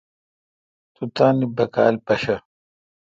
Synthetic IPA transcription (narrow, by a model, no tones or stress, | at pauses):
t̪ut̪aːnibɐka̰ːlpɐɕɐ